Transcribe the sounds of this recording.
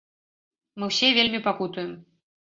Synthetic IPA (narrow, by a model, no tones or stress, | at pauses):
mɨwsʲɛvʲelʲmʲipakut̪ujɛm